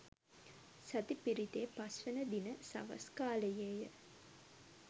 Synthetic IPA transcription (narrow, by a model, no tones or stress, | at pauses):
sɐt̪ipiɾit̪eːpasʋənəd̪inəsɐ̰ʋɐ̰skaːləjeːjə